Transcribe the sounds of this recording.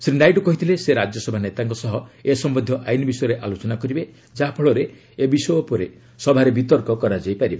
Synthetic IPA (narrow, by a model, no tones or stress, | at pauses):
sɾiɳɖajʈukɔɦit̪ʰileseɾad͡ʒɔsɔbʱanet̪aŋkɔsɔɦɔesɔmbɔnd̪ʱjɔʔajnibisɔjɔɾeʔalot͡ʃɔnakɔɾibe | d͡ʒaɦapʰɔɭɔɾe | ebisɔjɔpɔɾe | sɔbʱaɾebit̪ɔɾkɔkɔɾad͡ʒajpaɾibe